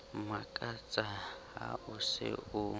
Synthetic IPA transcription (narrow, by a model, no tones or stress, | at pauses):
makʼat͡sʼa | a̰ʊsɪ̰ʊ